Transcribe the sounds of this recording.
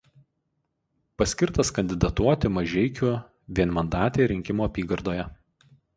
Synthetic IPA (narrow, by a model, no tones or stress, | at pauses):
pɐsʲkʲɪɾt̪ɐskɐnʲd̪ʲɪd̪ɐt̪uɔt̪ʲɪmɐʒʲɛɪkʲʊ | ʋʲiɛnmɐnd̪ɑːt̪ʲeɾʲɪŋʲkʲɪmuːɐpʲiːɡɐɾd̪oːjɛ